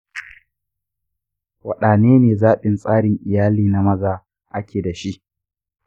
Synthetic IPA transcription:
wɐ˨ɗaː˨neː˦neː˨zaː˦ɓɪ˨nsʼaː˦ɽɪ˨ŋʔɪ˨jaː˦liː˦na˦mɐ˦zaː˦˨ | ʔa˦kʲʰeː˨da˨ʃi˦ʔ

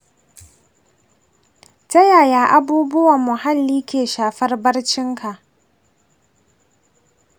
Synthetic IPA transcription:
tɐ˦jaː˨jaː˨ʔa˦buː˦bʊ˦wɐ˨mːʊ˨ha˦lːiː˦kʲeː˨ʃaː˨ɸɐ˦rbɐ˦rt͡ʃɪ˦ŋkʰa˨ʔ

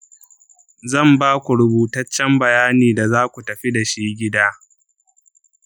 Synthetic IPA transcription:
zɐ˦˨mbaː˦kʷu˨ɾʊ˨buː˨tɐ˦t͡ʃːɛ˦mbɐ˨jaː˦niː˨da˨zaː˦kʷu˨tɐ˨ɸi˦da˨ʃiː˦ɡʲɪ˦daː˦

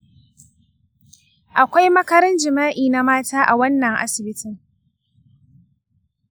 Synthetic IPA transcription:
ʔa˨kʷa˦jmɐ˦kɐ˦ɾɐ˦nd͡ʒɪ˨maː˦ʔiː˨na˨maː˦taː˦ʔa˨wɐ˦nːɐ˨ŋʔa̰˦sɪ˨bɪ˦tɪ˨ŋ

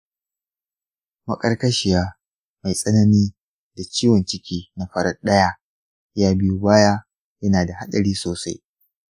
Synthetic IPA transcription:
mɐ˦kʼɐ˦rkɐ˦ʃɪ˨jaː˦ | ma˨jsʼɐ˦nɐ˦niː˦ | da˨t͡ʃiː˦wɐ˨nt͡ʃɪ˦kʲiː˦na˦ɸɐ˦ɾɐ˦rɗɐ˦jaː˦ | jaː˦bɪ˦ju˦baː˦ja˦ | jɐ˦naː˨da˨ha˦ɗɐ˨ɽiː˦soː˨sa˦j

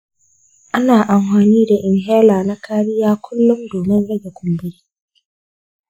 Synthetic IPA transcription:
ʔa˦naː˨ʔa˨mɸaː˨niː˦da˨ʔɪ˨ŋɦɛ˦laː˨na˦kaː˦ɽɪ˦jaː˦kʷʰʊ˦lːʊ˦mdoː˨mɪ˦nɽɐ˦ɡɛ˨kʷʰʊ˨mbʊ˦ɾi˦

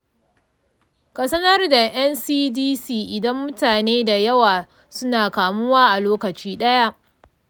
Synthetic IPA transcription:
kɐ˨sɐ˦nɐ˦rda˨j̰ɐ˦nsiː˦diː˦siː˦˨ʔɪ˨dɐ˦mːʊ˦taː˨neː˦da˨jɐ˦waː˨ | sʊ˦naː˨kaː˨mʊ˦waː˦ʔa˨loː˦kɐ˨t͡ʃiː˦ɗɐ˦ja˦ʔ

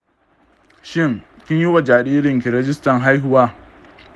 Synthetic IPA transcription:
ʃɪ˦˨ŋ | kʲɪ˦ɲji˦wa˨d͡ʒaː˨ɗiː˦ɾɪ˨ŋkʲɪ˨ɾɛ˦d͡ʒɪ˦stɐ˨ŋɦa˦jɦʊ˦waː˦

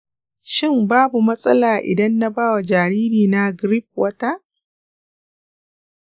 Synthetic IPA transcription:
ʃɪ˦˨mbaː˦bu˨mɐ˦sʼɐ˦laː˨ʔɪ̰˨dɐ˦nːa˦baː˦wa˨d͡ʒaː˨ɾiː˦ɾiː˨na˦ɡɾi˦p̚wɐ˦ta˦ʔ

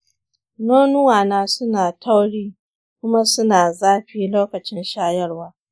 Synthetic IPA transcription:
noː˦nʊ˦waː˨naː˦sʊ˦naː˨tʰa˦wɽiː˦ | kʷʊ˦ma˦sʊ˦naː˨zaː˦ɸiː˦loː˦kɐ˨t͡ʃɪ˦nʃaː˦jɐ˦rwaː˦

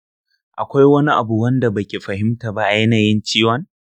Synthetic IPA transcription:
ʔa̰˨kʷa˦jwɐ˦ni˦ʔa˨bu˨wɐ˦nda˨bɐ˨kʲe˨ɸɐ˨hɪ˦mta˨ba˦jɐ˦naː˨jɪ˦nt͡ʃiː˦wɐ˦n

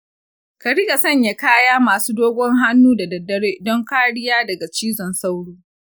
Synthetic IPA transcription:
kɐ˨ɽɪ˦ɡa˨sɐ˦˨ɲja˨kaː˦jaː˦maː˨suː˦doː˦ɡʷɔ˦ŋɦa˦nːuː˦da˨dɐ˨dːɐ˦ɽeː˦dɔ˦ŋkaː˦ɽɪ˦jaː˦dɐ˨ɡa˨t͡ʃiː˦zɔ˨nsa˦wɽuː˦

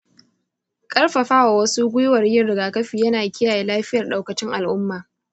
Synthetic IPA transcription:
kʼɐ˦rɸa˨ɸaː˦wa˨wɐ˦su˦ɡʷʊ˦jwɐ˨rjɪ˦nɽɪ˨ɡaː˨kɐ˦ɸiː˨jɐ˦naː˨kʲɪ˦jaː˨jeː˦laː˦ɸɪ˦jɐ˨rɗa˨wkɐ˨t͡ʃɪ˦ŋʔa˨lʔʊ˦mːaː˨

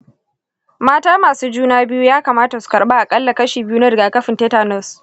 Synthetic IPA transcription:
maː˦taː˦maː˨suː˦d͡ʒuː˦naː˦bɪ˦ju˦jaː˦kaː˨maː˦ta˨su̥˨kɐ˨ɾɓaː˦ʔa˨kʼɐ˦lːa˨kɐ˦ʃiː˨bɪ˦ju˦nɐ˦dɪ˨ɡaː˨kɐ˦ɸɪ˨nteː˦taː˨nɔ˦˨s

